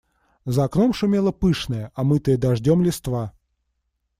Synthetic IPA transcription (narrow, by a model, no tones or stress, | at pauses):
zɐkno̞mʂʊmʲelˠəpɨʂnəjəʔɐmɨt̪əjəd̪ɐʐdʲomlʲɪst̪va